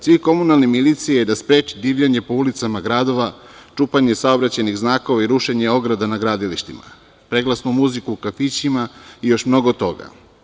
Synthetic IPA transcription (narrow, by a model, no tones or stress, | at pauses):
sʋiko̞munalnimilit̪sijejed̪aspɾe̞ːt͡ʃid̪iːʋʎaɲe̞po̞ulit̪samaɡɾaːd̪o̞ʋat͡ʃupaɲesaobɾat͡ɕajniɣznaːko̞ʋaiɾuʃeɲe̞o̞ɡɾad̪anaɡɾaːd̪iliʃt̪ima̰ | pɾe̞ɡlˠasnumuzikuːkafit͡ɕimaijo̞ʃmno̞ɡot̪o̞ɡa̰